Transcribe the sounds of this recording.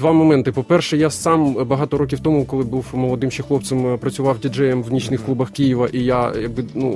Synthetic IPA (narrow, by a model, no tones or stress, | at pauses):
d̪ʋɑmɔmɛnt̪ɪpɔpɛrʃɛjasɑmbɐɦɑt̪ɔɾokʲiwt̪ɔmʊkɔlˠɪbuwmɔlˠɔd̪ɪmʃɛxlˠɔp̪̚sɛmpɾɐt͡sʲʊʋɑwdʲid͡ʒɛjɛmwnʲit͡ʃnɪxklˠubɐxkijiʋɐʔijajɐɡ̚bɪnu